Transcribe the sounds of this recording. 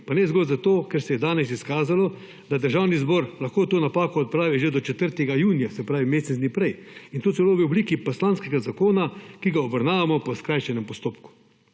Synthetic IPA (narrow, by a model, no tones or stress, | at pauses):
panɛzɡɔlzat̪oːkɛɾsɛjɛd̪aːnɛs̬iskaːzalɔ | d̪ad̪əɾʒaːwnizbɔːɾlaxkoːt̪oːnapaːkɔːt̪̚pɾaːʋiʒed̪ɔt͡ʃɛt̪əɾt̪ɛɡajuːnijasɛpɾaːʋimeːsnɛzd̪nipɾɛjint̪oːzɛloːʋiɔbliːkipɔslaːnskɛɡazakoːnakiɡaɔbəɾnaːʋamɔpɔskɾaːjʃɛnɛmpɔst̪oːpku̥